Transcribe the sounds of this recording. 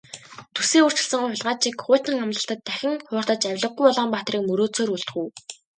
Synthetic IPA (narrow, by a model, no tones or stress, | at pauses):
t̪ʰuseːur̥t͡ɕɪ̆ɮsə̆ŋʊɮʁaːt͡ɕiːkχʊːt̪ə̆ŋamt̪ə̆ɬt̪ə̆t̪ʰːæxʲɪ̆ŋχʊːr̥t̪ə̆t͡ɕæwʲɮə̆ɡːujpɔɮɔːmpaːt̪riːk̚mɵɾoːt͡soːɾuɮt̪xuw